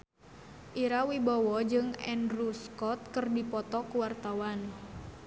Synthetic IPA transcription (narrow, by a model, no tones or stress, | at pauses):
ʔiɾawibawɔd͡ʒɨŋɛ̰ndɾuskɔt̪̚kərdipɔt̪ɔkuwart̪awan